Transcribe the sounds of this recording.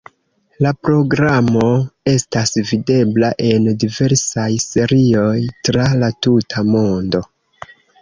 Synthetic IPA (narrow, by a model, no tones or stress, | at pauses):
lapɾo̞ɡɾamo̞e̞stasvide̞blaʔe̞ndive̞ɾsajse̞ɾio̞jtɾalatutʰamo̞ndo̞